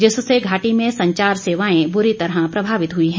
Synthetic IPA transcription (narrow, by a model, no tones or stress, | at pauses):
d͡ʒɪsseɡʱaːʈimẽsɐ̃ɲt͡ʃaːɾseːʋaːẽbʊɾit̪ɐɾɦəpɾɐbʱaːʋɪt̪ɦʊiɦɛ̃ː